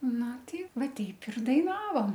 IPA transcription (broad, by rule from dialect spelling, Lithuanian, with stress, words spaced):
ˈnʊ ˈtʲɪ ˈʋɑːˈtʲɛɪp ɪr dɐɪˈnɑːʋoːm